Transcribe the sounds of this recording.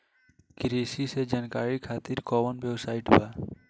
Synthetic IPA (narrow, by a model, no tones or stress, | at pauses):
kɪɾisised͡ʒankaːɾikʰaːt̪iɾkɔːmənbjəwsaːɪʈba